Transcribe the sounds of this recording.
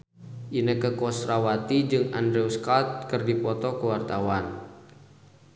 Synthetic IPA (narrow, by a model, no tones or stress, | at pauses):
ʔinəkəkɔsrawat̪id͡ʒɨŋa̰ndɾɛuskat̪̚kɨrdipɔt̪ɔkəwart̪awan